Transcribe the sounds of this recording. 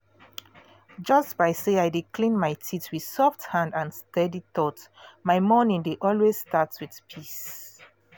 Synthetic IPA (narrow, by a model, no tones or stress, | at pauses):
d͡ʒʌstbaɪseaɪdikʰlĩnmaɪtʰitwið̥sɔfthãndãnstɛdiθɔtmaɪmɔnĩŋdeʔɔlwesstatwið̥pʰis